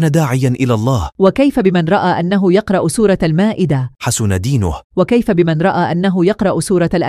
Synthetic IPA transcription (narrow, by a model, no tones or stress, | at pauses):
nad̪aːʕɪjanʔɪlaːlˤːɑːhwakajfabɪmanɾˤɑʔaːʔanːaɦʊjɑqɾˤɑʔsuːɾˤɑlmaːʔɪd̪aħasʊnad̪iːnʊ̰hwakajfabɪmanɾˤɑʔaːʔanːaɦʊjɑqɾˤɑʔsuːɾˤɑalʔa